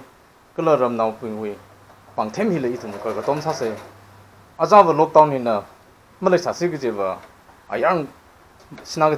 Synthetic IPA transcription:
kɯlɐɾɐmnawpuŋuj | paŋtʰemhilɐitʰumukaɡɐtɔmsasej | ɐzabɐlɔk̚tawninɐ | mɐlajsasiɡɯzebɐ̰ː | jaŋ | sinaɡ

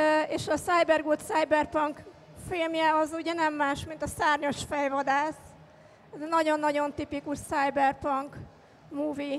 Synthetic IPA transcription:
eːʃɒsajbɛrɡoːt̪saːjbɛrpɒŋk | filmjɛɒzuɟɛnɛmːaːʃmint̪ɒsaːrɲo̞ʃfɛjvɒd̪aːs | ɛzɛnɒɟo̞nːɒɟo̞nt̪ipikuʃsajbɛrpɒŋk | muːvi

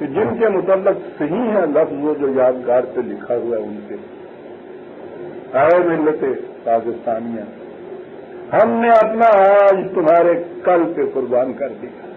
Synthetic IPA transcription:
ked͡ʒɪnkemʊt̪əlːɪqsɐɦĩɦɛ̃lɐfzõd͡ʒoːjaːd̪ɡaːɾpelɪkʰaɦʊaʊnse | aːmɪlːət̪epaːkɪst̪aːniãː | hɐmneɐpnaaːd͡ʒt̪ʊmɦaːɾekɐlpekʊɾbaːnkɐɾd̪ijaː

